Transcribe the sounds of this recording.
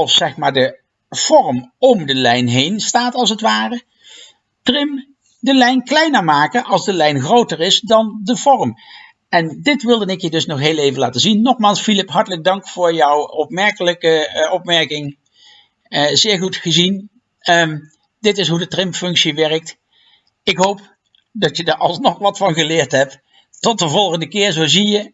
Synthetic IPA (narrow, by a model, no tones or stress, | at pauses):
ɑlˠfsɛxmaːɹdə | v̥ɔɹmɔmdəlɛjnɦejnstaːtɑlˠsətʋaːrə | trɪm | dəlɛjnklɛjnəɹmaːkənʔɑlˠzdəlɛjnχrowtəɹɪsdɑndəvɔɹəm | ɛndɪtʋɪlˠdənɪkjədɵsnɔχɦeːlejvənlaːtəzinːɔχmaːlˠsfilɪpɦɑɹtələɡ̚dɑŋkfʊːɹjɔwɔpmɛɹkələkəɔpmɛɹkɪŋ | zɪːɹχutχəzin | dɪtɪsɦudətrɪmfɵŋksiʋɛrək̚t | ɪkɦowp | dɑtjədaɹʔɑ̰lˠsnɔχʋɑtfɑnɣəlɪːɹtɦɛp̚ | tɔtəvɔlˠɣəndəkɪːɹzowzijə